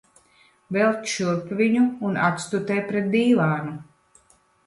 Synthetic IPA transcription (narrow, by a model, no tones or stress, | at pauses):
vɛlˠt̪ʲʃuɾpviɲuːna̰t̪st̪ut̪ɛjpɾet̪̚d̪iːlaːnu